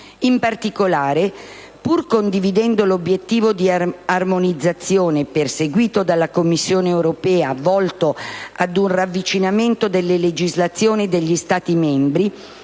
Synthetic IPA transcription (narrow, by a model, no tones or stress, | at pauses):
impart̪ikolaːɾe | purkond̪ivid̪ɛnd̪olobːjet̪ːiːvod̪iarmonid̪zːat̪sːjoːneperseɡwiːt̪od̪alːakomːisːjoːneewɾopɛːavɔlt̪oad̪unravːit͡ʃinament̪od̪elːeled͡ʒizlat̪sːjoːnid̪eʎːist̪aːt̪imɛmbɾi